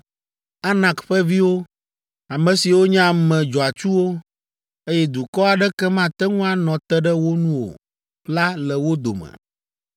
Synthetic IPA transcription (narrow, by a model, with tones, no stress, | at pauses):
a˦nã˨kɸɛ˦vi˦wo˦ | a˨mɛ̃˨si˨wo˦ɲã˦˨mɛ̃˨d͡ʒɔ˨a˨t͡ʃu˦wo˦ | e˦jɛ˦d̪u˨kɔ˦a˨ɖɛ˦kɛ˦mã˦t̪ɛ˦ŋũ˦a˨nɔ̃˨t̪ɛ˦ɖɛ˦wo˦nũ˦wo̰˨ | ɸla˦lɛ˨wo˦d̪o̰˨mɛ̰̃˨